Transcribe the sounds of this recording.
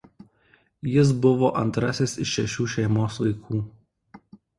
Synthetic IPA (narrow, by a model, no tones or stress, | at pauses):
jɪs̬bʊʋoːʔɐnt̪ɾɐsʲɪsɪʃːʲɛʃʲuːʃʲɛɪmoːsʋɐɪkʰuː